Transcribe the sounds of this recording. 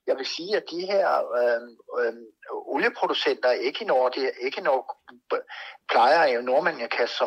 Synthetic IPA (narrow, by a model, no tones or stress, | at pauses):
jɑ̈ɪʋe̝siːæd̥iɦeɐ̰ | oljəpʰʁo̝d̥usen̰d̥ɐæe̝ɡ̥əinɒːd̥ee̝ɡ̥ənɒɡ̥ | pʰlɑ̈ɪɐnoɐ̰mænækʰæɒ